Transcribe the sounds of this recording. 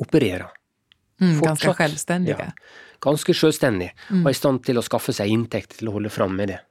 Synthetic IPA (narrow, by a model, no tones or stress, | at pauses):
ʊpəɾeːɾə | fɔʂɑɧɛlst̪ɛndɪə̰ɡ̥ɑnskəʂøːlst̪ɛnd̪ɪɔɪst̪ɑn̚t̪ʰɪlɔskɑfːəsæɪɪnt̪ʰɛkt̪tʰɪlɔhɔlːəfɾɑmːmɛd̪ɛ